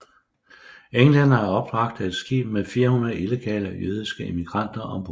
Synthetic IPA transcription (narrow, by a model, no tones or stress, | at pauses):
eŋlæn̰ɐæɐɒ̽b̥ʁɑ̈ɡ̥̚d̥æe̝d̥sɡ̥ḭːb̥̚mefiːɐhunɐð̩ˠile̝ɡ̥ʰɛ̰ːləjøð̞ˠisɡ̥əe̝miɡ̥ʁɑ̈n̰d̥ɐʔɒ̽b̥